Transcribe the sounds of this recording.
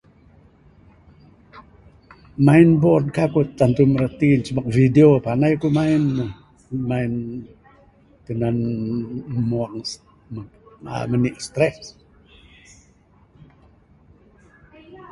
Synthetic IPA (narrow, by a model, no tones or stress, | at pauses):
mainbɔd̚kakut̪ːant̪uməɾət̪int͡ʃəmak̚videopanajkumainu | main | t̪ənan | muaŋ | ma̰məniʔst̪ɾɛs